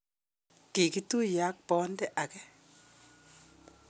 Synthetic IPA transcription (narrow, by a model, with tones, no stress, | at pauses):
ki˨ki˦tu˦ja˦k̚pɔ˦ndɛ˦ʔa˨kɛ˦